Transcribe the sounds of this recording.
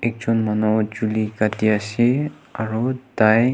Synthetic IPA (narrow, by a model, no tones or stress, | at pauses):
ɛk̚zɔnmanɔd͡ʒulikatiasɛ | aɹud̥aj